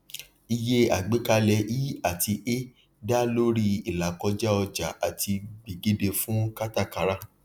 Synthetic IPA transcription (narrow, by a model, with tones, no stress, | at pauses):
i˧je˦a̰˨ɡ͡be˨˦ka˧lɛ˧˦ji˦a˨ti˧ʔe˦ | da˦lo˦ɾi˦i˨la˨kɔ˧d͡ʒɛ˦ɔ˧d͡ʒa˨a˨tʰi˧ɡ͡bi˨ɡe˨˦de˧fũ˦ka˦ta˦˨ka˨˦ɾa˦˨